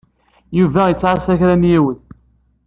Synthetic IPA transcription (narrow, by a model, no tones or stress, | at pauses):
juvæjət͡sːʕaɾsæçɾænjiwəð